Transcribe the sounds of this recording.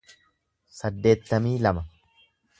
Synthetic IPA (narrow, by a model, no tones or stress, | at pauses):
sɐd̪ːe̞ːt̪ːɐmiːlɐmɐ